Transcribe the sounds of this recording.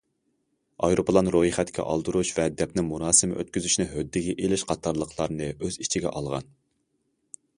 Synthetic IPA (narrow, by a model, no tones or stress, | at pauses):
ɑjɾopʰəlˠɑnɾohiχɛt̪kʲʰɛ̰ʔɑ̰lˠd̪ɨɾuʃvɛd̪ɛp̚nɪmunɑːsɨmʔø̰t̪̚kʲyzyʃnɪɦød̪ːɪɡʲɛʔelɪʃqʰɑt̪ʰːɑɾlˠəqʰlˠɑɾnɨøzit͡ʃʰiɡʲɛ̰ʔɑlˠʁɑ̰n